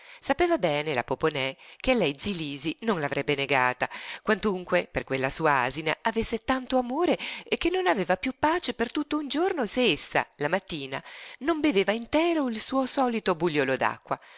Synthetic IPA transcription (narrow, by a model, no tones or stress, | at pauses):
sapeːvabɛːnela̰poponɛkealɛjd̪ziliːzinonlavɾʔɛbːeneɡaːt̪akwant̪uŋkweperkwelːasuːaaːzina̰ʔavesːet̪ant̪oamoːɾeekːenːonaveːvapjupːaːt͡ʃepert̪ut̪ːound͡ʒornoseesːa̰lamat̪ːiːnanombeveːvaint̪ɛːɾoilsuːosɔːlit̪obuʎjoːlod̪a̰kːwa